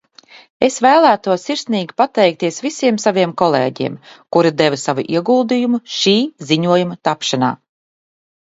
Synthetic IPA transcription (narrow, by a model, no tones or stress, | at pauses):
esvæːlˠæːt̪uɔsːiɾsniːɡʲi̥pat̪ɛjk̚t̪iɛsvisʲiɛmsaviɛmkɔlˠḛːɟḭɛmkuɾid̪evasavṵʔiɛɡuːlˠd̪ijumuʃiːziɲuɔjumɐt̪apʃana̰ː